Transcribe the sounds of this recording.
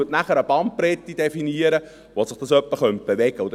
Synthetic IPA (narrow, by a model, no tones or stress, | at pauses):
ətnæχəɾəbɑmt̚pɾɛt̪ːid̥ɛfiniəɾə | ʋosɪχd̥ɑsœpːəχœnt̪̚b̥eʋɛɡ̥əʊd